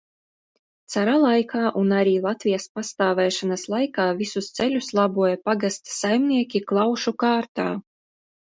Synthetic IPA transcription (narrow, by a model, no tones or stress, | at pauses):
t̪saɾalˠajkʰɑːʔunaɾiːlˠat̪vʲijaspast̪aːvɛːʃanaslˠajkaːvisust̪sɛlʲuslˠabuɔjapaɡast̪sajmnʲiɛkʲiklˠɑwʃukaːɾt̪aː